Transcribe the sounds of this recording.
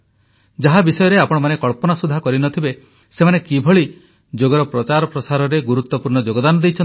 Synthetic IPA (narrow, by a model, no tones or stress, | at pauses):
d͡ʒaɦabisɔjɔɾeapɔɽ̃ɔmanekɔɭpɔnasud̪ʱakɔɾinɔt̪ʰibe | semanekibʱɔɭi | d͡ʒoɡɔɾɔpɾɔt͡ʃaɾɔpɾɔsaɾɔɾeɡuɾut̪ːɔpuɾɳɔd͡ʒoɡɔd̪anɔd̪ejt͡ʃʰɔ